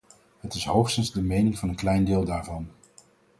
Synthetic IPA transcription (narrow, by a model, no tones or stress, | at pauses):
ɦətɪsɦowχstənzdəmejnɪŋvɑnənklɛjndɪːlˠdaːɹvɑn